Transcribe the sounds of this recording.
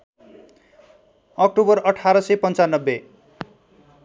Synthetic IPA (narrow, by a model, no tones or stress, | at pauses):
ʌk̚ʈobʌrʌʈʰaɾʌsepʌnt͡sanːʌbːe